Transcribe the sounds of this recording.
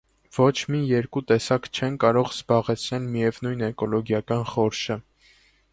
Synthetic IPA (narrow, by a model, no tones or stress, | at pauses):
v̥ɔt͡ʃʰmijɛɾkut̪ɛsɑkt͡ʃʰɛnkɑɾɔʁz̥bɑʁɛt͡sʰnɛlmijɛvnujnɛkɔlɔɡjɑkɑnχɔɾʃə